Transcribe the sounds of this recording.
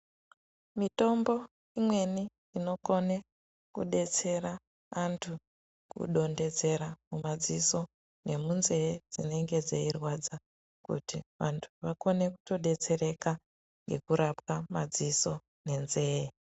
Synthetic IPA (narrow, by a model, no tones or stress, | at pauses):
mito̞mbo̞ | imwe̞ni | ino̞ko̞ne | kṵɗe̞t͡se̞ɾa | antʰu | kṵɗo̞nde̞d͡ze̞ɾamumad͡ziso̞ | ne̞munze̞d͡zine̞ŋɡe̞d͡zeirwad͡za | kṵtiʋantʰuʋako̞ne̞ku̥to̞ɗe̞t͡se̞ɾe̞ka | ŋɡe̞kuɾapkamad͡ziso̞ | ne̞nzeː